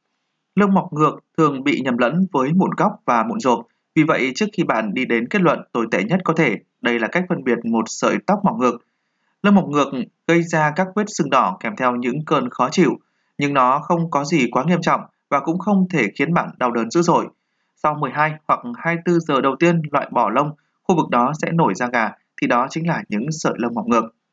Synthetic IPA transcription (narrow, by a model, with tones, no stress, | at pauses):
lɨ˧wŋ͡mma˨˩wk͡p̚ŋɨ˨˩ək̚t̪ʰɨ˨˩əŋɓḭ˧˨ɲə˨˩mlə̰˧˥nvəː˨˦jmṵ˧˥nɣa˦˥wk͡p̚vaː˨˩mṵ˧˨nzo˨˩p̚ | vi˨˩və̰˧˨jt͡ɕɨ˦˥ək̚xi˧ɓa̰ː˧˨nɗi˧ɗe˨˦nke˦˥t̚lwə̰˧˨nt̪o˧˩jt̪ḛ˧˩ɲə˦˥t̚kɔ˨˦t̪ʰe˧˩ | ɗə˧jlaː˨˩ka˦˥k̚fə˧nɓi˨˩ət̚mo˨˩t̚sə̰ː˧˨jt̪a˦˥wk͡p̚ma˨˩wk͡p̚ŋɨ˨˩ək̚ | lɨ˧wŋ͡mma˨˩wk͡p̚ŋɨ˨˩ək̚ | ɣə˧jzaː˧kaː˦˥k̚kwi˦˥t̚sɨ˧ŋɗɔ˧˩kɛ˧˩mt̪ʰɛ˧wɲɨ̰˧˥ŋkəː˧˩nxɔ˨˦t͡ɕḭ˧˩˨w | ɲɨ˧ŋnɔ˨˦xə˧wŋ͡mkɔ˨˦zi˨˩kwaː˨˦ŋi˧əmt͡ɕɔ̰˧˨wŋ͡m | vaː˨˩kʊ̰˧˥ŋ͡mxə˧wŋ͡mt̪ʰe˧˩xi˨˦ənɓa̰ː˧˨nɗa˨˩wɗəː˨˦nzɨ̰˧˥zo̰˧˩j | sa˧wmɨ˨˩əjɦaː˧jhwa˨˩k̚haː˧jt̪ɨ˧zəː˨˩ɗə˨˩wt̪i˧ənlwa̰ː˧˨jɓɔ˧˩lə˧wŋ͡m | xu˧vɨ˨˩k̚ɗɔ˨˦sɛ̰˧˥no˧˩jzaː˧ɣaː˨˩ | t̪ʰi˨˩ɗɔ˨˦t͡ɕï˨˦ŋ̟laː˨˩ɲɨ̰˧˥ŋsə̰ː˧˨jlə˧wŋ͡mma˨˩wk͡p̚ŋɨ˨˩ək̚